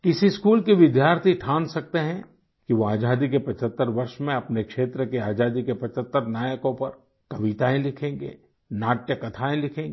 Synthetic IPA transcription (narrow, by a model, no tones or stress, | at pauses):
kɪsiskuːlkiʋɪd̪jaːɾt̪ʰiʈʰãːnsɐk̚t̪eɦɛ̃ | kiʋoaːd͡ʒaːd̪ikepɐt͡ʃət̪ːəɾʋɐɾʃmẽɐpnekʃeːt̪ɾəkeaːd͡ʒaːd̪ikepɐt͡ʃət̪ːəɾnaːjəkõpɐɾ | kɐʋit̪aːẽlɪkʰẽːŋ̆ɡḛː | naːʈjəkɐt̪ʰaːẽlɪkʰẽːŋɡ